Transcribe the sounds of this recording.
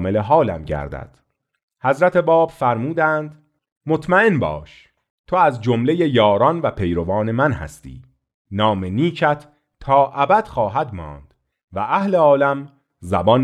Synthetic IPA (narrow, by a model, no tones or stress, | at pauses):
meleɦɒːlæ̰mɟæ̰ɾd̪æ̰d̪̥ | hæzɾæt̪ʰe̞bɒːb̥fæɾmuːd̪ænd̪̥ | mo̞t̪ʰmæe̞nbɒ̰ːʃ | t̪ʰoæzd͡ʒomle̞jejɒːɾɒnvæpʰe̞jɾo̞vɒːne̞mænhæ̰st̪ʰḭː | nɒːmeniːcʰæt̪ʰː | ɒːʔæbæd̪̥xɒːɦæd̪mɒ̰ːnd̪̥ | væʔæhleɒːlæm | zæbɒːn